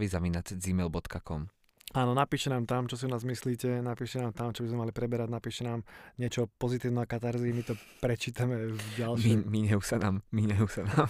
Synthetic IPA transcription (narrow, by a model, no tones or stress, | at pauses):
ʋizaʋinat͡sd͡zimɛlbɔt̪kakɔm | aːnɔnapiːʃɛnaːmt̪amt͡ʃɔs̬iɔnaːzmisliːcɛnapiːʃɛnaːmt̪amt͡ʃɔbizmɛmalipɾɛbɛɾaɟnapiːʃɛnaːmɲɪɛt͡ʃɔpɔzit̪iːʊnɛakat̪aɾzimit̪ɔpɾɛt͡ʃiːt̪amɛvɟalʃimiɲɛusanaːmmiɲɛusanaːm